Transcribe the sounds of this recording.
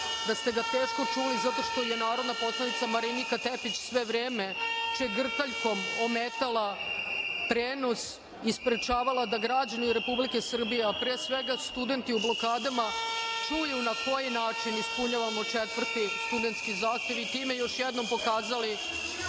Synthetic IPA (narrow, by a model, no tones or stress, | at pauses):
d̪ast̪e̞ɡat̪e̞ːʃko̞t͡ʂulizat̪o̞ʃt̪o̞jenaːɾo̞d̪napo̞slˠanit̪samaɾinikat̪epit͡ɕsʋe̞ʋɾeːme̞t͡ʃeɡr̩t̪aʎko̞mo̞met̪ala | t̪ɾeːno̞s | ispɾet͡ʃaːʋalad̪aɡɾad͡ʑaniɾe̞publike̞sr̩bijeapɾeːsʋeɡast̪ud̪e̞nt̪iublo̞kaːd̪amat͡ʂujunako̞jinaːt͡ʂinispuɲaʋamo̞t͡ʂet̪ʋr̩t̪ist̪ud̪ent̪skizaːxt̪je̞ʋit̪iːmejo̞ʃjed̪no̞mpo̞kaːzali